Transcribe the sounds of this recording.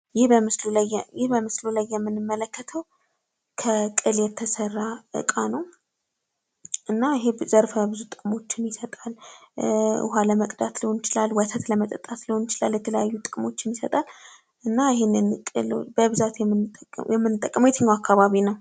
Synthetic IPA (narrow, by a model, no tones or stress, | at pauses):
jɪhbəmɨslulajjɪhbəmɨslulajːɛmːɨnɨmːələkːət̪ʰəw | kʰəkʼɨljɛt̪ʰːəsərːaʔɨ̰kʼanəw | ʔɨnːaɪɦezəɾfəbɨzut̪ʼɨkʼmo̞t͡ʃːɪnjɪsət̪ʼal | ɨ̰haləməkʼd̪at̪lɨhonɪt͡ʃɪlalwɔt̪ʰət̪ləmət̪ʼət̪ʼːat̪lɨhonɪt͡ʃɪlaljɛt̪ʰələjajːut̪ʼɨkʼmo̞t͡ʃːɪnjɪsət̪ʼal | ʔɨnːaɪɦenːɨnkʼɨlbəβɨzat̪jɛjɛmːɨnːɨt̪ʼːəkʼːəmjet̪ʰəɲːawakʰːaβaβinəw